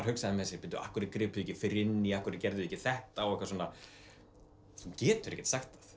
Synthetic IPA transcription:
ɾ̥hʏksaðɪnmɛθɛsɪpɪnt̪ːʏʔa̰hkʏɾkɾɪːpʏɛcɪfɪɾɪnːɪiahkʏɾɪcɛɾðʏɛcɪθɛht̪aɔɣɛhkvasoːna | θuncɛːt̪ʏɾɛhcːɛ̥t̪saxt̪θḁθ

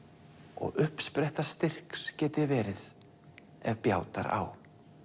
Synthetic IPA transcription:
ɔ̰ɣʏhpspɾɛjht̪ast̪ɪr̥kscɛːt̪ɪvɛːɾɪð | ɛvpjaːwt̪a̰ɾa̰w

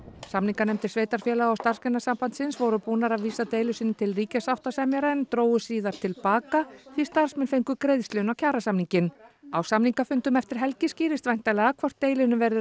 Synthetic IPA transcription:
samniŋkanɛmt̪ʰɪ̥sveːjt̪aɾ̥fjɛːlaɣawst̪ar̥skɛnːasampant̪sɪnsvɔwɾʏpuːnaɾaðviːsat̪eːjlʏsɪnːɪt̪ʰɪlriːcasawht̪asɛmjaɾɛnt̪ɾoːwʏsiːðaɾ̥t̪ʰɪlpaːkaθvist̪ar̥smɛnfejŋkʏkɾejðst̪lʏnawcʰaːɾasamniɲcɪnawsamniŋkafʏnt̪ʏmɛft̪ɪɾ̥ɦɛlcɪsciːɾɪst̪vajn̥t̪alɛːɣakʰvɔr̥t̪ːeːjlɪnʏvɛɾðɪ

